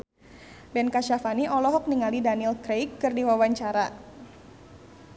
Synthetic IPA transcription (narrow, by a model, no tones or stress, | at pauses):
bɛnkaʃafaniʔɔlɔɦɔk̚niŋalidanilkɾejkːɨrdiwawaɲt͡ʃaɾa